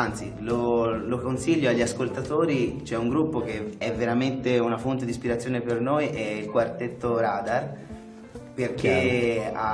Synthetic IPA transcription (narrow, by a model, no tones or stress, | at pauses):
ant̪silolokonsiʎːoaʎːiaskolt̪at̪oːɾit͡ʃɛuŋɡɾupːok̟eɛvːeɾament̪eunafont̪ed̪ispiɾat̪sːjoːnepernojʔɛilkwart̪et̪ːoɾaːd̪ar | perk̟ea